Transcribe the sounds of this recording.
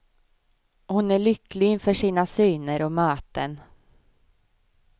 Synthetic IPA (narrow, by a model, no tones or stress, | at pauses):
hʊnæɭʏklɪɪnfœʂiːnasyːnəɾɔmœːt̪ən